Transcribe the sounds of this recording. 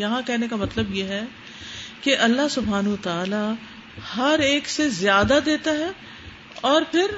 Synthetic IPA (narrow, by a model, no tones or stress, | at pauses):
jɐɦãkɛɦnekamɐt̪ləbjeɦɛ | keʔɐlːaɦsʊbʱɦaːnɦʋət̪aːla | hɐɾeːksezjaːd̪ad̪eːt̪aɦɛː | ɔːɾpʰɪɾ